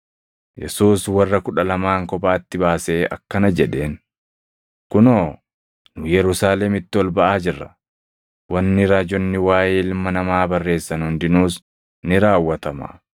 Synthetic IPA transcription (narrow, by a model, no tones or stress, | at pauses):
jɛ̰suːswɐrːɐkʊᶑɐlɐmaːŋkɔpaːt̪ːɪbaːse̞ːɐ̰kːɐnɐd͡ʒɛᶑe̞ːn | kʊnoː | nʊjɛɾʊsaːlɛmɪt̪ːɪwɔlbɐʔaːd͡ʒɪrːɐ̰ | wɐnːɪɾaːd͡ʒɔnːɪwaːjeːlmːɐnɐmaːbɐrːe̞ːsːɐnhʊnd̪ɪnuːs | nɪɾaːwːɐt̪ɐma̰ː